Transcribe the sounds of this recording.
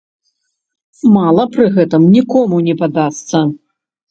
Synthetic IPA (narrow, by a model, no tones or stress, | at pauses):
malˠɐpɾɨɣɛt̪ɨmnʲikɔmunʲɛpad̪ast̪sɐ